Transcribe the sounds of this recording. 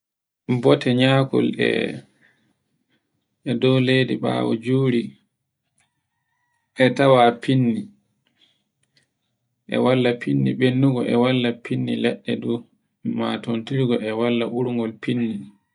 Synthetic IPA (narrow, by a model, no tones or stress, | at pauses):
bɔtʰɛɲaːkɔ̰lɛ̰ | ɛdɔwlediɓa̰ːwɔ̰d͡ʒuːɾi | ɛtawapinːi | ʔɛ̰walːapʰinːiɓenːuɡɔʔɛwalːapinːilɛɗːɛdu | ma̰tontiɾɡɔɛwalːaʔuɾŋɡɔlpinːi